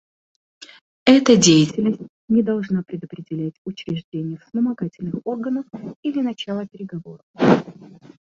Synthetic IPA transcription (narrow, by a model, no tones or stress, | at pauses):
ɛt̪ədʲejɪtʲɪlʲnəsʲtʲ | nʲɪd̪ɐlˠʐnapɾʲɪd̪əpɾʲɪdʲɪlʲætʲʊt͡ɕɾʲɪʐdʲenʲɪjəfspəmɐɡatʲɪlʲnɨxo̞rɡənəfilʲɪnɐt͡ɕalˠəpʲɪɾʲɪɡɐvo̞̰ɾəf